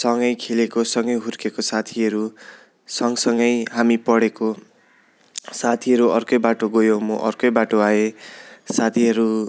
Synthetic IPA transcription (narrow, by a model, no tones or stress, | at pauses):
sʌŋɡʌjkʰelekosʌŋɡʌjɦurkekosat̪ʰiʌɾu | sʌŋsʌŋɡʌjɦamipʌɽeko | sat̪ʰiɦʌɾuʌrkʌjbaʈoɡojomʌʔʌ̰rkʌjbaʈoaesat̪ʰiʌɾu